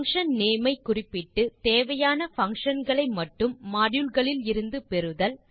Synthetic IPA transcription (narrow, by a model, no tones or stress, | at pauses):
ŋkʂɐnneːmɐɪkːʊrɪpːɪʈːɯt̪eːʋɐjaːnɐfɐŋkʂɐnɡɐɭɐɪmɐʈːɯmːaːɽjɯlɣɐɭɪlɪɾɯnd̪ɯpɛɾɯðɐl